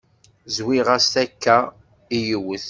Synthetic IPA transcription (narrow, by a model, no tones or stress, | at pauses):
zwiʁast̪ækːæ | ijəwəθ